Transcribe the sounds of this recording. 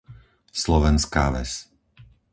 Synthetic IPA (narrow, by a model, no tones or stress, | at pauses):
slɔʋɛnska̰ːʋɛ̰s